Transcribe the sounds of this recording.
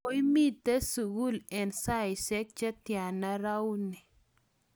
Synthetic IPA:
o˦jmi˦t̪ːe˦su˨ɡu˦lɛ˨nsa˦jsɛ˦k̚t͡ʃa˦t̪ja˨na˦ɾa˦wni˨

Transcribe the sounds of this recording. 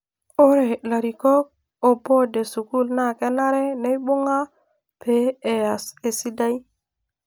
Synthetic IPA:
o˦ɾe˨la˨ɾi˨ko˦k̚ | o˨bo˦de˨su˨ku˦lna˦˨ke˦na˦ɾe˦ne˦jɓu˦ŋa˦ | pe˨˦e˨ja˨se˨si˦da˦j

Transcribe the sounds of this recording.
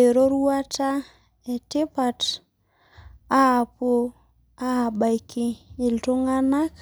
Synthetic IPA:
e˨ɾo˦ɾu˦a˦ta˦ | ɛ˨tɪ˦pa˨t | a˦a˨po˦ | a˦a˨ɓa˨jkɪː˦˨lto˦ŋa˦na˦k

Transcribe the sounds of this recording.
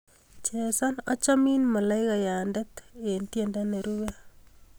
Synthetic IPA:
t͡ʃe˨sa˦nɔ˦t͡ʃa˦mi˦nma˨la˦ɪka˨ja˨ndeke˨ntjendane˨ɾuɣa˦

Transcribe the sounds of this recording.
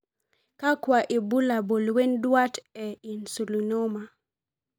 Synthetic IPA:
ka˦kwaʔi˨bu˦la˨bo˨lwɛ˦ndwa˦tɛinsu˨luno˦ma

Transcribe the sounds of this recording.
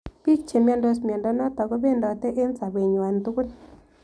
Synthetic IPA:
pi˦k̚t͡ʃe˨m˦a˨ndo˦smjɛ˨ndɔ˦nɔ˦t̪ɔ˨ɡɔ˦be˦˨ndɔ˨t̪ɛ˦ʔe˦nsa˨be˨ɲ˨a˨nt̪u˦ku˦n

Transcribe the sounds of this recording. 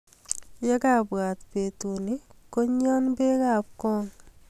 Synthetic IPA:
jɛ˦ka˨pwa˨t̪pe˨tu˨ni˦ko˦ɲɔ˦nbe˦ka˨p̚kɔ˦ŋ

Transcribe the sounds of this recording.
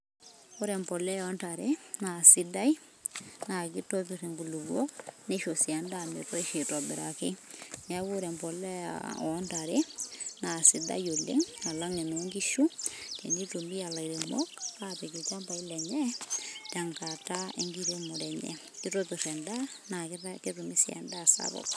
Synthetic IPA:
o˦ɾɛ˨mpɔ˨lɛ˦ɔntaɾena˨si˦da˦i | na˨ki˦to˦p̬i˨re˨ŋɡu˨lu˨ɡwo˦ne˦ʃo˨si˨a˨ndame˨tɔ˦eʃe˨tɔ˨bɪ˨ɾa̰˨ke˦ŋa˦βu˦ɾɛ˨mpɔ˨lɛ˦a̰ɔntaɾe˦na˨si˨da̰˦jo˨lḛ˦ŋa˨la˦ŋe˨noŋɡi˦ʃu˦te˨ndi˦to˨mi˦a˨la˨iɾe˨mɔ̰kape˨ki˨t͡ʃa˦mba˨i˦lɛ˨ɲɛ˦ta˨ŋkata˦ḛ˦ŋɡi˦ɾe˦mo˨ɾɛ˨ɲɛ̰˦ | ki˦to˦pi˨rɛ˨nda˦ | na˨kke˦rumi˦sja̰˨nda˦˨sa̰βɔ̰˦k

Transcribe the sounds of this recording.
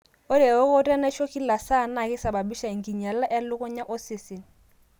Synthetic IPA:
o˦ɾɛ˨o˦ko˦tɛ˦nɛ˦ʃɔ˦ki˦la˨sa˦˨na˨kɪ˦sa˨ba˨bi˦ʃa˨i˨ŋ˨ki˨ɲa˨la˦ʔɛ˦lʊ˦kɔ˦ɲa˦ʔɔ˦sɪ˨sɪ˨

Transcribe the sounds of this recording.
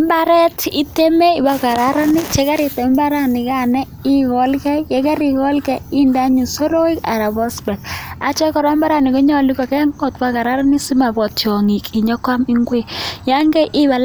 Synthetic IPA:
mba˦ɾɛ˦ti˦te˦me˦i˨ba˦ka˨ɾa˨˦ɾa˦ni˦t͡ʃe˦ka˦ɾɪ˨ta˨˦mba˦ɾa˦˨ni˨ka˦˨nɛ˦ | i˦kɔ˨lkɛ˦jɛ˨˦kɛ˦ɾi˨kɔ˦lkɛ˦i˦nda˦ɲi˨so˦ɾo˦i˦ka̰˨ɾa˨bɔ˦sbɛ˨t̚a˦t͡ʃɛ˦kɔ˨ɾɔ˦mba˦ɾa˦ni˨kɔ˦ɲɔ˦li˦kɔ˨kɛ˦ŋo˨tba˦ka˨ɾa˦ɾa˦ni˦si˦ma˨bɔ˨tjɔ˨ŋi˨ki˨ɲɔ˦kwa˦mi˦ŋɡwe˦˨ja˦ŋɡɛ˦ʔɪ˦βa˨l

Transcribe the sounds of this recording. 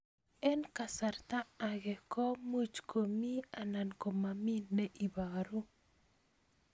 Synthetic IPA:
ɛ˦nkasart̪aː˦˨ɡɛ˨kɔ˦mu˦t͡ʃkʰo˨mi˦a˨na˨nko˨maminːɛ˦ʔi˨baɾu˦

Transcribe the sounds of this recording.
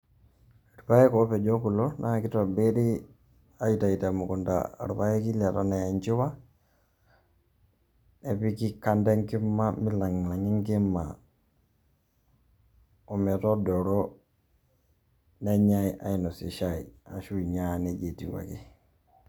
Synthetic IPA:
ɾu˨pa˦ɛ˦kɔ˦pɛ˨d͡ʒɔ˦ku˨lɔ˦nʔa˦˨ki˦tɔ˨be˦ɾi˦ | a˦ji˨ta˨i˨ta˨mu˨ku˨nda̰˨ɾu˨pa˦jɛ˦ki˦lɛ˨ta˨nɛ˨a˨ɲt͡ʃi˦wa˦ | ne˨pi˦ki˦ka˦ndɛ˦ŋki˦mːa˦mi˦la˨ŋ˨la˨ŋi˦ŋki˦mːa̰˨ | ɔ˨mɛ˨tɔ˦dɔ˨ɾɔ˦ | nɛ˦ɲa˦i˨ʔa̰˨i˨nɔ˨si˨ʃa˦˨ḭ˨a̰˨ʃu˦i˨ɲa˦˨ne˨d͡ʒe˨ti˨wa̰˨ki˦

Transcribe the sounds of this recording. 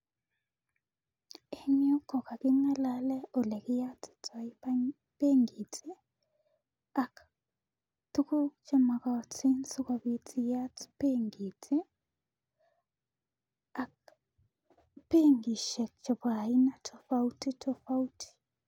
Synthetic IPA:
e˨ɲo˦kɔ˨ka˨kɪ˦ŋa˦lalɛ˦o˨lɛ˨kɪ˦ja˦tɪ̥˨tʰa˨i˦ | pe˦ŋɡi˨te˦ | a˨k | tu˦ku˦t͡ʃɔ˨ma˨ka˨ti˦nsu˦ka˨βi˨tʰi˨ja˦tpe˦ŋɡi˨te˦ | a˨k̚ | pe˦ŋɡi˨ʃɛ˨kt͡ʃɔ˨βa˨i˦na˨tʰɔ˨fa˦u˦ti˦tɔ˦fa˦u˦tʰi̥˨

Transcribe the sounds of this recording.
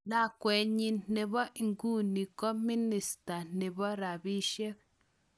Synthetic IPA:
na˦˨kwe˨˦ɲĩ˧n̥e˧βɔ˦ʔi˨ŋɡu˦nĩ˨ko˦mi˦ni˨st̪a˨n̥ẽ˨βɔ˦ɾa˨βi˦ʃe˦

